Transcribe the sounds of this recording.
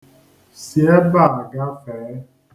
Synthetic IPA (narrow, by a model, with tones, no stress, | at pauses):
si˨e˦ba˦˨a˨ɡa˦fɛ˨˦